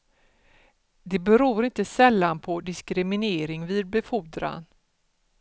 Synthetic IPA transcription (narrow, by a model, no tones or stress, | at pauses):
d̪ɛbɛɾuːɾɪnt̪əsɛlːanpʰɔd̪ɪskɾɪmɪneːɾɪŋviːd̪̚bɛfuːd̪ɾa̰n